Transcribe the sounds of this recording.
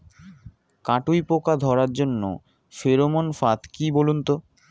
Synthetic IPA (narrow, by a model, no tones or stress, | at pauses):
kaʈujpokad̪ʱɔɾaɾd͡ʑonːo̰ | feɾomonfat̪kibolunt̪o